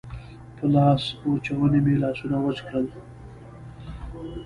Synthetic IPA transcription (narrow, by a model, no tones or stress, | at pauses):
pəlɑsot͡ʃawənemelɑsunawət͡ʃkɽəl